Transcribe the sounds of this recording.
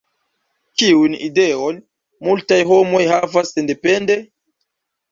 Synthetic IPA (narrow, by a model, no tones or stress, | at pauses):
t͡ʃiunideon | multajɦo̞mo̞jhavasːende̞pende̞